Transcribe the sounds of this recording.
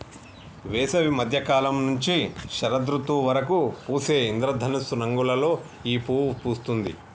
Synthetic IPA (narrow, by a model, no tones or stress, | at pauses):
ʋɛːsɐʋimɐd̪ʱjɐkaːlɐmnuɲt͡ʃiʃɐɾɐd̪ɾut̪uʋɐɾɐkupuːse̞ːind̪ɾɐd̪ʱɐnisunɐŋɡulɐlo̞ː | iːpuːpuːst̪und̪ḭ